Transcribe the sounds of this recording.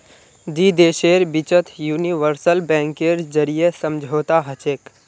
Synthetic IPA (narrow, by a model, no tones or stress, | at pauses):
d̪iːd̪eːʃeːɾbɪt͡ʃət̪ʰjuːniʋəɾsəlbɛ̃ːŋkeɾd͡ʒəɾijesəmd͡ʒʱoːt̪aɦət͡ʃeːk